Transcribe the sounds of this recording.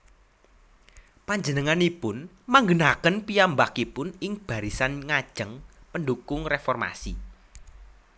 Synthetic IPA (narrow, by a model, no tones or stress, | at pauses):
paɲd͡ʒənəŋanipʊn | maŋɡənakənpijambakipʊnɪŋb̥a̤ɾisanŋad̥ʒ̥əŋpəndukʊŋrefɔrma̰sḭ